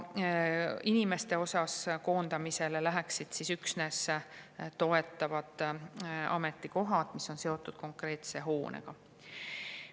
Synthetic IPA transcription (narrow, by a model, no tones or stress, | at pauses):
inime̞st̪e̞o̞sɑsko̞ːnd̪̥ɑmise̞lelæɦæksid̪̥sisyksne̞s | t̪o̞e̞t̪ːˑɑvɑd̪̥ | ɑ̰me̞t̪ːˑiko̞ɦɑd̪̥misːo̞nse̞o̞t̪ːˑud̪̥ko̞ŋkre̞ːt̪se̞ɦo̞ːnʔḛɡ̥ɑ